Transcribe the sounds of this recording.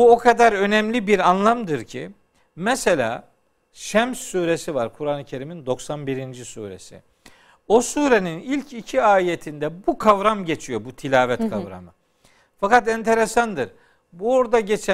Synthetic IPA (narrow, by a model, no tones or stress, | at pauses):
buo̞kʰad̪aɾø̞nɛmlʲibiɾanlˠamd̪ɯɾcʰḭ | mɛse̞lʲa̰ː | ʃɛmsːuːɾe̞sivaɾkʰuɾanɯcʰe̞ɾimind̪o̞ksanbiɾind͡ʒisṵːɾe̞̰sḭ | o̞suːɾe̞ninilʲcʰicʰiaːije̞t̪ʰind̪ɛbukʰavɾamɟe̞t͡ʃʰijo̞but̪ʰilʲaːvɛt̪kʰavɾa̰mɯ | fakat̪ɛnt̪ʰe̞ɾesand̪ɯɾ̥ | buoɾd̪aɟe̞t͡ʃʰɛ